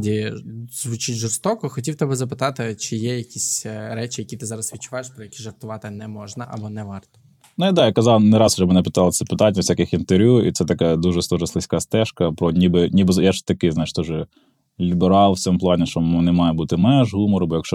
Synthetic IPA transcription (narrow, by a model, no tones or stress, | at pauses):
dʲizʋʊt͡ʃɪtʲʒɪrst̪ɔkɔxɔtʲiwt̪ɛbɛzɐpɪt̪ɑt̪ɪt͡ʃɪjɛjɐkʲisʲɾɛt͡ʃɪjɐkʲit̪ɪzɑɾɐsʋʲitt͡ʃʊʋajeʃpɾɔjɐkʲiʒʐɐrt̪ʊʋɑt̪ɪnɛmɔʒnɐʔɐbɔnɛʋɑrt̪ɔ̥ | nuid̪ɑjakɐzɑlˠnɛɾɑsʊ̥t͡ʃɛbmenɛpɪt̪ɑlˠɐsʲɐpɪt̪ɑnʲːɐwsʲakʲɪxint̪eɾʲʋʲjʲuḭt̪sɛt̪ɐkad̪uʒɛsˠɔʒɐslˠɪsʲkɑst̪ɛʃkɐpɾɔnʲibɪnʲibɪzjaʒt̪ɐkɪzɑjɪʃt̪ɔʒɛ | lʲibeɾɑlˠʋt͡sʲɔmʊplˠɑnʲɪʃt͡ʃɔmɔnɪmɑjɛbut̪ɪmɛʒɦumɔɾʊbɔjɐkʃt͡ʃɔ